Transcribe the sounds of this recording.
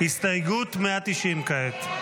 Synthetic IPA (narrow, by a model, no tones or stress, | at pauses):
hist̪ɐiɡut̪meat̪iʃimkaɦet̪